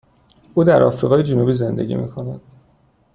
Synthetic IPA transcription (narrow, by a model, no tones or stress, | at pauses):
ʔuːd̪æɾɒ̰fɾiɣɒːjed͡ʒenubiːze̞nd̪e̞̰ɟʲḭmḭkʰo̞næd̪̥